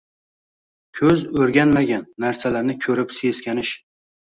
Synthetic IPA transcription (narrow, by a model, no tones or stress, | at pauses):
kʲʰɵzɵɾɡʲanmaɡʲanːaɾsalaɾnɪkʲʰɵɾɪpseskʲanɪʃ